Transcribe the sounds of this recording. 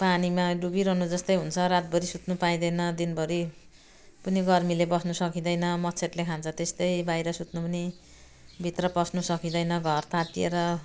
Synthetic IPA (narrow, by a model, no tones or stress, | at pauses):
panimaɖubiɾʌnud͡zʌst̪ʌjɦunt͡sʰʌɾat̪̚bʌɾisut̪nupaj̃d̪ʌjnʌd̪inbʌɾi | puniɡʌrmilebʌsnusʌkid̪ʌjnʌmʌtt͡sʰet̪lekʰant͡sʰʌt̪est̪ʌjbajɾʌsut̪nupʌni | bʱit̪rʌpʌsnusʌkid̪ʌjnʌɡʱʌrt̪ʰat̪ijeɾʌ